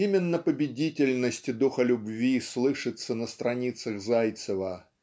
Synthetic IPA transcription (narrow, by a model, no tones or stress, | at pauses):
imʲɪnːəpəbʲɪdʲitʲɪlʲnəsʲtʲɪd̪uxəlʲʊbvʲislˠɨʂɨt̪sənəst̪ɾɐnʲit̪səɣzajt̪səvə